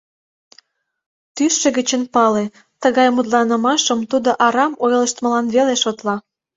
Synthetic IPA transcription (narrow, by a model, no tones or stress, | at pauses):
t̪yʃːĕɣət͡ɕənpɑle | t̪əɣɑjmut̪̬lɑnə̆mɑʃəmt̪ud̪oʔɑɾɑmojləʃt̪mə̆lɑnβeleʃot̪lɑ